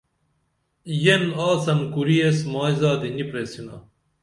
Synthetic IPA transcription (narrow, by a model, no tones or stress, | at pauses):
jenaːsɐnkuɾiesmaːjzaːd̪inipɾesina̰